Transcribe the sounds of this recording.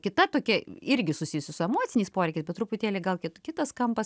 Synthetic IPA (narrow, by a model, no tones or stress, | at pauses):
kʲɪt̪ɐt̪oːkʲɛɪɾʲɡʲɪsʊsʲɪjʊsʲɪsʊɛmoːt̪sʲɪnʲɛɪspoːɾʲɛɪkʲɛɪsʲbʲɛt̪ɾʊpʊt̪ʲeːlʲeɪɡɐlˠkʲɪt̪kʲɪt̪ɐskɐmpɐs